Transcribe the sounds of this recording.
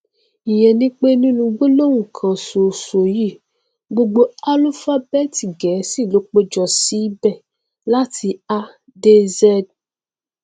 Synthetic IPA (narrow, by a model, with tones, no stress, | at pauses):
i˨jɛ˨nĩ˦k͡pe˦nĩ˦nũ˧ɡ͡bo˦lo˦wũ˨kʰã˨so˨so˨ji˦˨ | ɡ͡bo˦ɡ͡bo˦a˦lu˦fa˦bɛ˦˨ti˨ɡɛ˨˦si˦˨lo˨˦k͡po˦d͡ʒɔ˨si˨˦bɛ˦˨ | la˦tʰi˧a˦ | de˦zɛ˦d